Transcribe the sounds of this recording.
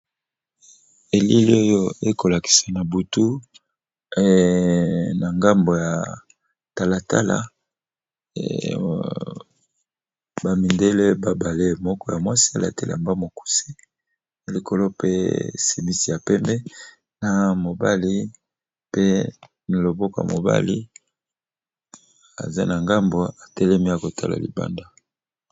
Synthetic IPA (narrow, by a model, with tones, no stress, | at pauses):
e˨li˦li˦o˦jo˦e˦ko˨la˨ki̥˨sa˨na˨bu˨tu˦˨ | na˨ŋɡa˦mbo˨ja˨ | ta˨la˨ta̰˦la̰˨ | ba˨mi˨nde˦le˦ba˦ba˨le˦mɔ˦kɔ˦ja˨mwa˦si˦a̰˦˨la̰˨te˦la̰˨mba˦mo˨ku̥˨si̥˦˨ | li˨ko˨lo˦pḛ˦si˨mi˦si˨ja˨pɛ˦mbɛ˦ | na˨mo˨ba˦li˦ | pe˦ | ni˨lo˨bo˦ko˨ja̰˨mo̰˨ba̰˦li˦ | a̰˨za̰˦na˨ŋɡa˦mbo˨a˨tɛ˦lɛ˦mi˦ja˨ko˨tʰa˦la̰˨lḭ˨ba̰˦nda˦